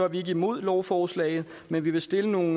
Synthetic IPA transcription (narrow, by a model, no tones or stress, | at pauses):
ɐʋie̝ɡ̥əimo̝ð̰ˠlɒʊfɒːslɛ̰ɪð̩ˠ | menʋiʋe̝sd̥e̝ləno̝ːn